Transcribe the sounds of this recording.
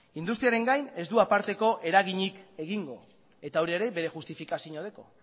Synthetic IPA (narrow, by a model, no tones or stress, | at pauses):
ind̪ust̪ɾiaɾe̞ŋɡajne̞zd̪uapaɾt̪e̞ko̞ʔe̞ɾaɣiɲike̞ɣiŋɡo̞̰ | e̞t̪aowɾieɾe̞be̞ɾe̞ʝust̪ifikasiɲoð̞e̞ko̞̰